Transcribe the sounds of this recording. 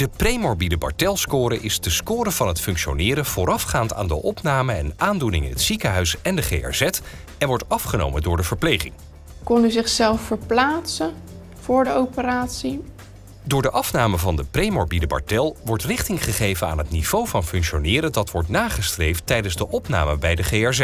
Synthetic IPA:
d̥əprejmɔɹbidəbɑ̰ɹtɛlˠskʊːɾəʔɪsdəskʊːɾəv̥ɑnɦətfɵŋkʃonɪːɾəv̥ʊːɾɑfχaːnta̰ːndəʔɔpnaːməɛnaːndunɪŋɪ̰nɦətsikəɦœɥsɛndəχḛjɛ̰ɹzɛt | ɛnʋɔɹtɑfχəno̰wməndʊːɹdəvəɹplejχɪ̰ŋ | kɔnyzɪχsɛlˠfəɹplaːtsə | v̥ʊːɹdəowpəɾaːtsi | dʊːɹdəʔɑfnaːməvɑndəprejmɔɹbidəbɑ̰ɹtɛlˠʋɔɹtrɪχtɪŋχəχejvəna̰ːnɦətniv̥owvɑnfɵŋkʃonɪːɾədɑtʋɔɹtnaːχəstrejftɛjdənzdəʔɔpna̰ːməbɛjdəχeːɛɹzɛt

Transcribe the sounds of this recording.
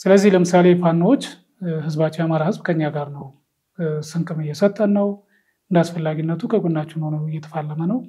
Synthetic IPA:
sɨləzːihləmɨsale̞fʰanːwot͡ʃː | hɨzbat͡ʃːɪjamaɾahɨzbkʰəɨɲːaɡaɾnəw | sɨŋkʰʼɨmɨjːɛsət̪ʼːənːəw | ɨnd̪asfəlːaɡinːət̪ʰukʰəɡundat͡ʃːɪnhonəwɨjːɛt̪ʰəfalːəmənəw

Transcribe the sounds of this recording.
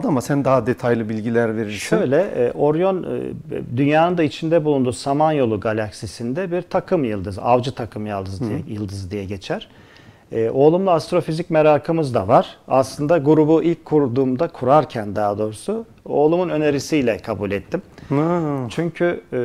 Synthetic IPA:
ad̪amasænd̪aɦad̪e̞t̪ʰajlˠɯbilʲɟilʲæɾve̞ɾilʃsiø̞jlʲɛ̰ʔo̞ɾjo̞n̰ | d̪ynjaːnɯnd̪ait͡ʃʰind̪ɛbulˠund̪uːsamanjo̞lˠuɡalʲaksisind̪ɛbiɾt̪ʰakʰɯmjɯlˠd̪ɯza̰vd͡ʒɯt̪ʰakʰɯmjalˠd̪ɯzɛjɯlˠd̪ɯzd̪ijɛɟe̞t͡ʃʰæɾ̥ | ɛːʔo̞ːlˠumlˠaast̪ɾo̞fizicmeɾaːkʰɯmɯzd̪a̰vaɾ̥a̰slˠɯnd̪aɡuɾubuʔilʲc̚ʰkʰːuɾd̪uːmd̪akʰuɾaɾcʰænd̪aɦad̪o̞ːɾusu | o̞ːlˠumunø̞ne̞ɾisijlʲɛkʰabulʲɛt̪ʰːim | t͡ʃʰyɲcʰy

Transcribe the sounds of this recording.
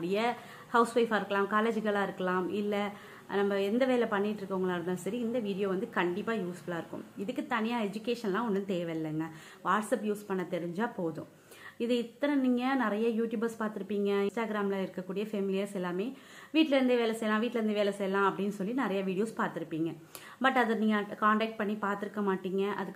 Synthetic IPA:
ɽɪjɐ | hɐʊsʋɐɪfaːɪɾɯkːɐlãːmkaːleːd͡ʒɣɐɭaːɪɾɯkːɐlãːmɪlːɐ | nɐmːɐɛnd̪ɐʋeːlɐpɐɳːɪʈːɾɯkːɐʋʊŋɡɐɭaːɾɯnd̪aːsɐɾiɪnd̪ɐʋiːɽɪjoːʋɐnd̪ɯkɐɳɖɪpːaːjuːsbɐɭaːɪɾɯkːʊ̰̃mɪðɯkːɯt̪ɐnɪjaːɛd͡ʒʊkeːʂɐnlãːɔnːɯnt̪eːʋɛɪlːɐŋɡɐ | ʋaːʈsɐpjuːspɐɳːɐt̪ːɛɾɪɲd͡ʒaːpoːðʊ̰̃ | ɪðɯɪt̪ːɐɾɐ̃niːŋɡɐnɪɾɐjaːjuːʈjuːbɐɾspaːɾt̪ɪɾɯpːiːŋɡɐɪnsʈaːɡɪɾaːmlãːɪɾɯkːɐkːuːɽɪjɐfɛmɪlɪjɐsɛlːaːmeː | ʋiːʈːlɐɾnd̪ɯʋeːlɛsɛjɐlãːʋiːʈːlɛɾɯnd̪ɯʋeːlɛsɛjɐlãːɐpːɐɽɪnːɯsɔlːinɪɾɐjaʋiːɽɪjoːspaːɾt̪ɪɾɯpːiːŋɡɐ | bɐʈːɐðɐniːŋɡɐkaːɳʈɛːk̚ʈ̚pɐɳːipaːɾt̪ɪɾɯkːɐmaːʈːiːŋɡɐʔɐ̰ðɯː

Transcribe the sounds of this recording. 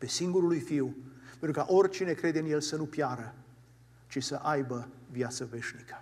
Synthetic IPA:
pe̞siŋɡuɾulujfiwpent̪ɾukaʔo̞rʲt͡ʃine̞kɾe̞d̪eɨnje̞lsənupjaɾə | t͡ʃisəʔajbəvjat̪səve̞ʃnikə̥

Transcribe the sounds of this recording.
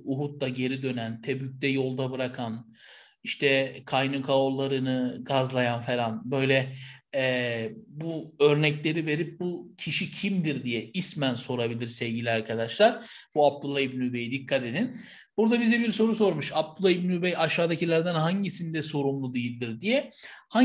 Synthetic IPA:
uɦut̪̚lˠaɟe̞ɾid̪ø̞nænt̪ʰɛbyc̚t̪ʰɛjo̞lˠd̪abɯɾakʰan | iʃt̪ʰɛkʰajnukʰaoɾlˠaɾɯnɯɡazlˠajanfelʲˠanbø̞jlʲɛɛbuø̞ɾnɛclʲe̞ɾive̞ɾip̚bucʰiʃicʰimd̪iɾd̪ijɛismænso̞ɾabilʲiɾsɛvɟilʲiaɾkʰad̪aʃlˠaɾ̥b̥uab̚d̪ulˠːaibnyube̞jid̪ikʰːat̪e̞d̪in | buɾd̪abizɛbiɾso̞ɾuso̞ɾmuʃab̚d̪ulˠːaibniubɛjaʃːaːd̪acʰilʲæɾd̪ænɦaɲɟisind̪ɛso̞ɾumlˠud̪ijilʲd̪iɾd̪ijɛha

